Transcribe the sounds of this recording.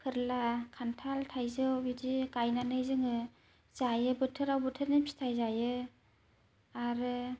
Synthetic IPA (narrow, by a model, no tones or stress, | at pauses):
kʰɯɾlakʰantʰaltʰajzɯwbidiɡajnanɯjzɯŋɯ | z̥ajɯbɯtʰɯɾawbɯtʰɯɾnipʰi̥tʰajzajɯ | aɾɯ